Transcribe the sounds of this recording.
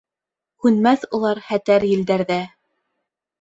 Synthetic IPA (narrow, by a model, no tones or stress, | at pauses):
hʉnmæθulˠɑɾχæt̪æɾjɘ̆ld̪æɾðæ